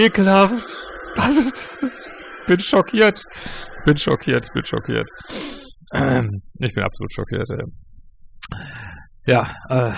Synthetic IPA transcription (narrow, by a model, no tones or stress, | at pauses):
ʔeːkəlaːfʔalzodḁsɪsb̥ɪnʃɔkʰiːɐtb̥ɪnʃɔ̰kʰiːɐtçb̥ɪnʃɔ̰kʰḭːɐt | ʔɪçb̥ɪnʔa̰psolṵːtʃɔkʰḭːɐtɛ̰ː | jaːʔɛː